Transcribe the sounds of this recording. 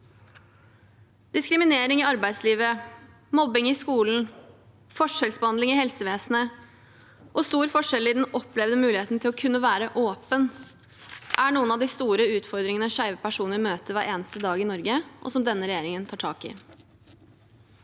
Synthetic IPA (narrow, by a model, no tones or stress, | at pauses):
d̪̥ɪskɾɪmɪneːɾɪŋɪɑɾbæɪd̪sliːʋə | mɔbɪŋɪskuːln̩ | fɔʂɛlsbəhɑnd̪ɪŋɪhɛlsəʋeːsn̩ə | ʔɔst̪uːɾfɔʂɛlɪd̪ɛnɔplɛʋd̪əmʉːlɪeːt̪nət̪ʰɪlɔkʰʉnːəʋæːɾəʔoːpən | ʔæɳuːənɑʋd̪ɪst̪uːɾəʉːt̪fɔɾd̪ɾɪŋənəʂæʏʋəpæʂuːnəɾmøːt̪əʋæɾʔeːnəst̪əd̪ɑːɡɪnɔɾɡəʔɔ̰sɔmd̪ɛnːəɾɛjeːɾɪŋənt̪ʰɑːʈʰɑːkɪ̰